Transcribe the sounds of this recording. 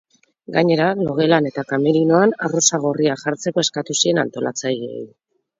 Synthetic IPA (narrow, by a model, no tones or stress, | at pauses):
ɡaɲe̞ɾalo̞ɣ̞e̞lane̞t̪akameɾino̞anarosaɣ̞oriaʝaɾt͡se̞ko̞eskat̪usie̞na̰nt̪o̞lʔa̰t͡sajɣiḛj